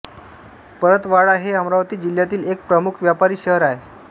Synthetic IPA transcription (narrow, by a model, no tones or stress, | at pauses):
pəɾət̪ʋaɽaɦeəmɾaʋt̪iːd͡ʑil̤jat̪iːlek̚pɾəmukʰʋjapaɾiːɕəɦəɾae